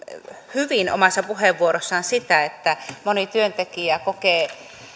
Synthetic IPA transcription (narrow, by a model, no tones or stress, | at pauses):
hyʋino̰mɑsːɑpuheʋːuoɾosːɑnsit̪æet̪ːæmonit̪yønt̪ekiækokeː